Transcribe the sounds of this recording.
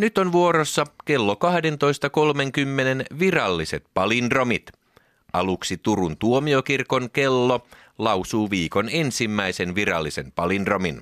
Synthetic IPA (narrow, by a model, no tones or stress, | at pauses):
nyt̪onʋuoɾosːɑke̞lːokɑhde̞nt̪o̞jst̪ɑko̞lme̞ŋkymːene̞nʋirɑlːiset̪̚pɑlindro̞mit̪ | ɑluksit̪urunt̪uomiokirko̞nke̞lːo | lɑwsuːʋiːkonensimːæjsenʋirɑ̰lːise̞̰mpɑlindro̞min